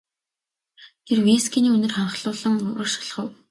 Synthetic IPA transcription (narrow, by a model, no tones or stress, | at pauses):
t̪ʰerweskʰʲiniːɵnɵ̆rχaɴχɮʊːɮə̆ŋʊɾʊːrʃ̆ɮ̆χə̆w